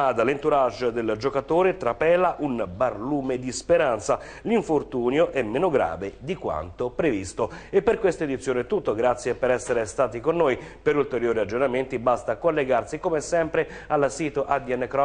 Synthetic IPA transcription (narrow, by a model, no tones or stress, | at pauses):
ad̪alent̪uɾaʒd̪eld͡ʒokat̪oːɾet̪ɾapɛːlaʔunbarluːmed̪ispeɾant̪sa | liɱfort̪uːnjoʔɛmːenoɡɾa̰ːved̪ikwa̰nt̪opɾevist̪oepːerkwest̪oed̪it̪sːjoːnɛt̪ːut̪ːoɡɾat̪sːjepeɾɛsːeɾest̪aːt̪ikonːoːjpeɾult̪eɾjoːɾiad͡ʒːornament̪ibast̪akolːeɡarsikomɛsɛmpɾe | alasiːt̪oʔad̪iɛnːkɾɔ